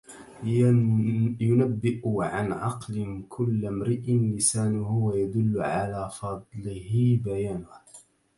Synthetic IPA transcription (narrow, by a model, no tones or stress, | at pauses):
jʊnabːɪʔʊʕanʕɑ̰qlɪnkʰʊlːamɾɪʔɪnlɪsaːnhʊwajad̪ʊlːʊʕalaːfɑd̪ˤlɪhɪbajaːnʊh